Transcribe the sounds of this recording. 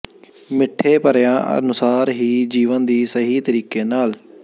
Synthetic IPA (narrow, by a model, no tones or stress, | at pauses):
mɪʈʰːeːpəɾjãːə̰nʊsaːɾɦiːd͡ʒiːʋənd̪iːsəɦiːt̪əɾiːkeːnaːl